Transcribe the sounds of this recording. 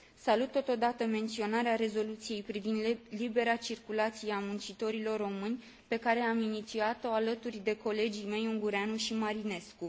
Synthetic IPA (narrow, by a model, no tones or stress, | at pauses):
salut̪ːo̞t̪o̞d̪at̪əme̞nt̪sio̞naɾeaɾe̞zo̞lut̪sije̞jpɾivind̪libe̞ɾat͡ʃirkulat̪sijeamunt͡ʃit̪o̞ɾilo̞rːo̞mɨnʲ | pe̞kaɾe̞aminit̪siat̪o̞alət̪urʲd̪e̞ko̞le̞d͡ʒime̞juŋɡuɾeanuʃimaɾine̞sku